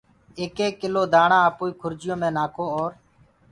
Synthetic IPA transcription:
eːkeːkːɪloːd̪ʱaːɳãːəpuːiːkʰʊɾd͡ʒɪjõːmẽːnaːkʰoːoːɾ

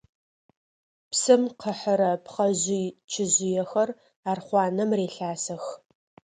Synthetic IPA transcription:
psɨmqʰəħəɾɐpʰχɐʑɪt͡ʃʰɪʑɪjɛxɐr | aːrχʷɑːnɐmreːɬaːsɐx

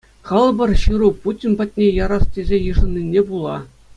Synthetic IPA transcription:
χɤ̆lˠbɤ̆rɕɯɾuputʲinpɑt̚ʲnʲejɑɾɑstʲezʲejɯ̆ʐɤ̆nʲːinʲːebulˠɑ̰

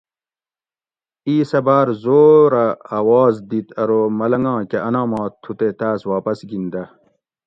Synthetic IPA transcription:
iːsɐbaːɾzoːɾɐaːwaːzd̪it̪ʰɐɾoːmɐlɐŋɡɑ̃ːkeɐnãːmɑ̃ːt̪ʰːut̪et̪aːswaːpɐsɡind̪ɐ

